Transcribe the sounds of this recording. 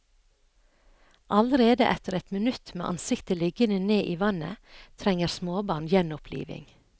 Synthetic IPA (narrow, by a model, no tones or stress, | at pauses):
ʔɑləɾeːd̪ə̰ʔɛt̪əɾɛt̪mənʉt̪mḛːʔɑ̰nsɪkt̪əlɪɡənəneːʔiːʋɑnə̰t̪ʰɾɛŋəɾsmoːbɑːɳjɛnʊpʰlḭːʋɪ̰ŋ